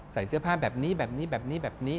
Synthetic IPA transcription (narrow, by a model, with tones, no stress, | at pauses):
sa˩˦jsɯ˦˥ɐpʰaː˥˩bɛː˨˩p̚niː˦˥bɛː˨˩p̚niː˦˥bɛː˨˩p̚niː˦˥bɛː˨˩p̚niː˦˥